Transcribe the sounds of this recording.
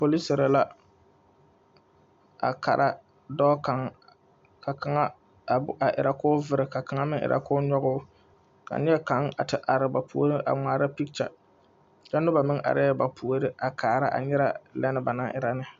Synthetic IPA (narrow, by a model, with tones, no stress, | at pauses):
po˨li˦sɪ˨ɾa˨la˦ | a̰˨ka˨ɾʔa˦ | dɔː˦ka˨˦ŋ | ka˨ka˨ŋa˦˨ | a˨ʔɪ̰˨ɾa˨kʊː˦vɪ˦ɾɪ˨ka˨ka˨ŋa˦mɪ˦ŋɪ̰˨ɾʔa̰˨kʊː˦ɲɔ˦ɣʊː˦ | ka̰˨ɲɛ˦ɛ˦ka˨˦ŋa˨tɪ˨ʔa˨ɾɪ˨ba˨pu˨o˦ɾɪ˦ʔa̰˨ŋ͡maː˨ɾa˦pi˦k̚t͡ʃa̰˨ | t͡ʃa˦nʊ˦ba˨mɪ˦ŋʔa̰˨ɾʔɪ˦ɛ˦ba˨pʰu˨o˨ɾɪ˦ʔa˨kʰaː˨ɾa˦ʔa̰˨ɲɛ˦ɾa˦lɛ˦nɨ˨ba˨na˦ʔɪ˦ɾa˦nɨ˦